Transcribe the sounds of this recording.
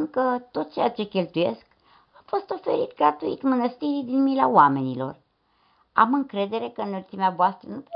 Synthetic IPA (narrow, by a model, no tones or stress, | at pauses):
nkət̪o̞t̪̚t͡ʃejat͡ʃe̞kʲe̞lt̪uje̞sk | afo̞st̪o̞fe̞ɾit̪ɡɾat̪uit̪mənəst̪iɾid̪inmilaoame̞nilo̞̰r | a̰mɨŋkɾe̞d̪e̞ɾe̞kənət̪sʲimeavoast̪ɾənup